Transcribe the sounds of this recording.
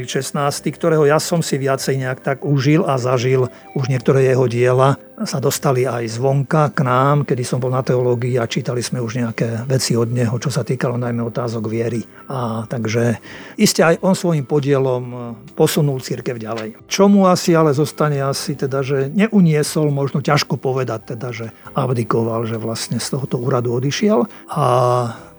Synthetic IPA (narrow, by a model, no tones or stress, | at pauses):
ʃɛsnaːst̪ikt̪ɔɾɛːɦɔjasɔmsiʋɪat͡sɛjɲɛakt̪aɡuʒilazaʒil | uʒɲɪɛkt̪ɔɾɛːjɛɦɔɟɪɛla | sad̪ɔst̪aliajzʋɔŋkaknaːmkɛd̪isɔmbɔlnat̪ɛɔlɔːɡiːat͡ʃiːt̪aliz̥mɛuʒɲɛakɛːʋɛt͡siɔd̪ɲɛɦɔt͡ʃɔsat̪iːkalɔnajmɛɔt̪aːzɔɡʋɪɛɾi | at̪aɡʒɛiscɛajʔɔnsʋɔjimpɔɟɪɛlɔmpɔsunult͡siɾkɛʊɟalɛjt͡ʃɔmuasialɛzɔst̪aɲɛasit̪ɛd̪aʒɛɲɛʔuɲɪɛsɔlmɔʒnɔcaʃkɔpɔʋɛd̪ac̚t̪ːɛd̪aʒɛabd̪ikɔʋalʒɛʋlast̪ɲɛst̪ɔɦɔt̪ɔuːɾad̪uɔd̪iʃɪɛl | a